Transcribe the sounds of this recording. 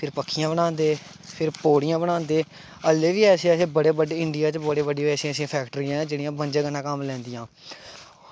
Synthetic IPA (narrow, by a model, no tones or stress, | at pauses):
pʰɪɾpəkʰːɪjãːbəɽ̃ãːnd̪eː | pʰɪɾpoːɽɪjãːbəɽ̃ãːnd̪eː | əlːeːʋiːɛːseːəsẽːbəɽeːbəɖeːɪɳɖɪjaːt͡ʃbəɽeːbəɖiɛːsẽəsĩːpʰɛːkʈəɾiːɛ̃ːd͡ʒeːɽiãːbənd͡ʒeːɡənãːkəmlɛ̃ːnd̪ijãː